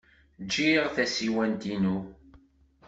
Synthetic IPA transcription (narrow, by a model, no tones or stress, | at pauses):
d͡ʒːiʁθæsiwænt̪inu